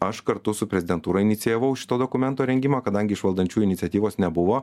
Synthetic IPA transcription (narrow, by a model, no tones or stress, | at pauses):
ɐʃkɐɾt̪ʊsʊpʲɾʲɛzʲɪd̪ʲɛnt̪uːɾɐɪnʲɪt̪sʲɪjɛʋɐʊʃʲɪt̪oːd̪oːkʊmʲɛnt̪oːɾʲɛŋʲɡʲɪmɑːkɐd̪ɐŋʲɡʲɪʃʋɐlˠd̪ɐnʲt͡ʃʲuːɪnʲɪt̪sʲɛt̪ʲiːʋoːsnʲɛbʊʋoː